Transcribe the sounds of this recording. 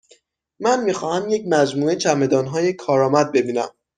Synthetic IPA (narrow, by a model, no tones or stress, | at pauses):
mænmiːxɒːhæmje̞cmæd͡ʒmuːet͡ʃʰæme̞d̪ɒːnɦɒːjekʰɒːɾɒːmæd̪̚be̞biːnæ̰m